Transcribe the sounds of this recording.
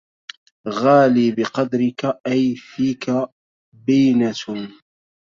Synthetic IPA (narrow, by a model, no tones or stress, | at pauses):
ɣaːliːbɪqɑd̪ɾɪkaʔajfiːka | bɪjna